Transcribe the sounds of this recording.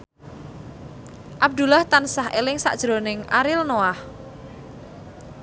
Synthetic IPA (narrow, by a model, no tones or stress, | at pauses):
ʔab̚d̪ṳlaht̪ansahʔelɪŋsa̰ʔd̥ʒ̥ɾo̤nɪŋʔa̰ɾɪlnoah